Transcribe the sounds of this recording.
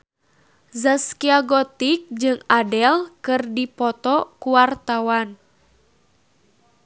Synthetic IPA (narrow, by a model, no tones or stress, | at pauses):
zaskiaɡɔt̪ik̚d͡ʒɨŋadɛlkɨrdipɔt̪ɔkuwart̪awan